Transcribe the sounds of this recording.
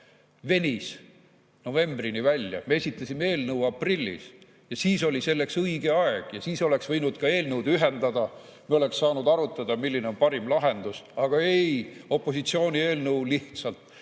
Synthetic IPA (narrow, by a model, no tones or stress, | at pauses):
ve̞nʲis | no̞ve̞mbrinivælʲjɑ̰mee̞sʲit̪ːˑɑsʲimee̞ːlnəuɑprilʲːḭs | jɑsiːso̞lʲise̞lːe̞ksɤjɡe̞ɑeɡ̥jɑsiːso̞le̞ksvɤjnud̪̥kɑe̞ːlnəwd̪yɦe̞nd̪̥ɑd̪̥ɑ | mieo̞le̞ksːɑːnud̪̥ɑɾut̪ːˑɑd̪̥ɑmilːineo̞npɑɾimlɑɦe̞nd̪̥usɑɡ̥ɑe̞jo̞pˑːo̞s̬it̪sio̞ːnʲie̞ːlnəwliht̪sɑlt̪